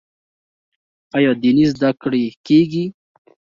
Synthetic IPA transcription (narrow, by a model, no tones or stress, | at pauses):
ajɔd̪inizd̪akɽekeɡi